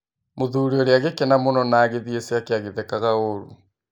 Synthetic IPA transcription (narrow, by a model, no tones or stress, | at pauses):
moðuɾiɔɾeaɣekenamonɔnaːɣeðieseakeaɣeðɛkaɣaoɾu